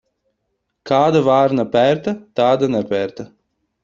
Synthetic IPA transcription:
kaːd̪avaːɾnapʲæɾt̪at̪aːd̪anɛpʲæːɾt̪a

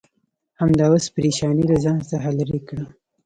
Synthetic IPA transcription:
hamd̪ɑwaspɾiʃɑnilazɑnt̪aɦalaɾikɽa

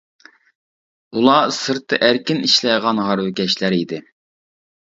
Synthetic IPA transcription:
ulˠɑsɨɾt̪ːɨʔæɾkʲɪniʃlɛjʁɑnɦɑɾwɪkʲɛʃlæɾid̪ɪ

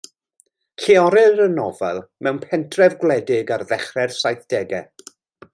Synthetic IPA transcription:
kʰiɔɾɪɾənɔvɛ̰lˠmɛwnpʰɛntʰrɛvɡwlˠɛdɪɡarðɛχrɛrsajθd̥ɛɡɛ

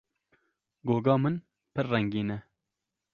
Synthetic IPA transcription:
ɡoːɡɑːmɨn | pɨɾːɛŋɡiːnɛ

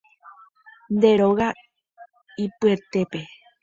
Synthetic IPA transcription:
nd̪e̞ɾo̞ɣa | ipɨe̞t̪e̞pe̞

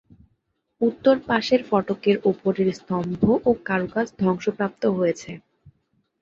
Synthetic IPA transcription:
ut̪ːoɾpaʃeɾfɔʈokeɾupoɾeɾst̪ɔmbʱoʔokaɾokasd̪ʱɔŋʃopɾap̚t̪oɦojet͡ɕʰe

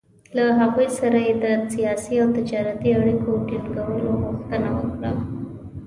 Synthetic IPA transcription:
laɦaɣujsaɾajed̪əsijɑsiawt̪ɪd͡ʒɑɾat̪iaɽikoʈilkawəloɣuxt̪ənawə̰kɽa

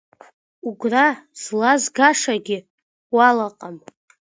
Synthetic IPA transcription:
uɡʷraz̥lazɡaʂaɡʲɪ | walaqʼam

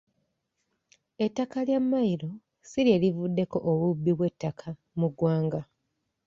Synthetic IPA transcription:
etːakaljamːaiɾo̞ | siɾe̞ːlivudːe̞ko̞ʔoβubːiβwe̞tːakʰa | muɡwaːŋɡa

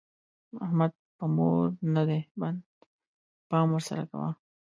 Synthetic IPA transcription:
ahmad̪̚pəmoɾnad̪eband̪ | pɑmwəɾsa̰ɾa̰ka̰wa̰

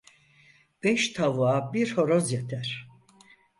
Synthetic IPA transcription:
b̥ɛʃt̪ʰavabiɾho̞ɾozjat̪ʰæɾ̥

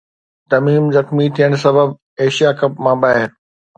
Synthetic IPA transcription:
t̪ɐmiːmzɐxmit̪ʰijəɽ̃sɐbəb | eːʃijakɐpmãbaːɦɪɾ

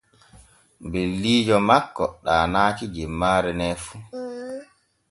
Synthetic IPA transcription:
belːiːd͡ʒɔmakːɔɗaːnaːkid͡ʒɛmːaːɾɛnɛːfu

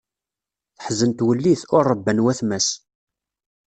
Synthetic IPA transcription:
θəħzənt̪wəlːiθʊɾˤːəbːənwæθmæs

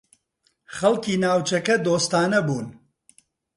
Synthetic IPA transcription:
χɐlˠkiːnaːwt͡ʃɐkɐd̪oːst̪aːnɐbuːn

